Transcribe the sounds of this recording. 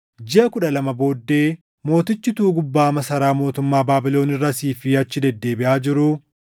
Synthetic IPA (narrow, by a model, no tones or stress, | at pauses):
d͡ʒɪʔɐkʊᶑɐlɐmɐbo̞ːd̪ːe̞ː | mo̞ːt̪ɪt͡ʃːɪt̪uːɡʊbːaːmɐsɐɾaːmo̞ːt̪ʊmːaːbaːbɪlo̞ːnɪrːɐsiːfɪɐt͡ʃːɪd̪ɛd̪ːe̞ːbɪʔaːd͡ʒɪɾʊ